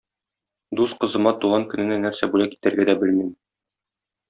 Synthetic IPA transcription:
d̪usqɤ̆zɤ̆mɑt̪uʁɑŋkɵ̆nɘ̆nænæɾsæbulækit̪æ̆ɾɡæd̪æbɘlmim

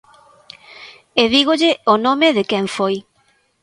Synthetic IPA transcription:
eðiɣoʎɪonõmɪðɪkɛɱfoj

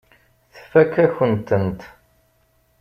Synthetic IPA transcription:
θfækːæçənt̪ənt̪

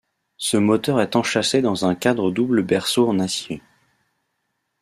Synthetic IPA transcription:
səmɔt̪œʁɛt̪ɑ̃ʃased̪ɑ̃zɛ̃kʲad̪ʁəd̪ubləbɛʁsoɑ̃nasje

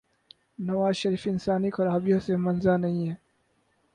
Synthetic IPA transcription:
nɐʋaːzʃɐɾiːfɪnsaːnixɐɾaːbijõsemɐnzanɐɦĩɦɛː

